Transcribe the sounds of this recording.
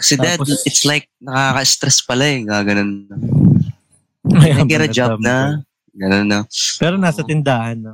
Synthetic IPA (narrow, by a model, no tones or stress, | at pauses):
kɐ̥sɛd̪ɛd̪ɪt̪slajk̚nɐkaːkɐʔɪst̪ɾɛspɐlaɛɡaɡɐnonɐ | mɐjaɐkiɾɐd͡ʒabnɐ | ɡɐnonːɐpɛːɾonaːsɐt̪ɪnd̪aːhɐnɐ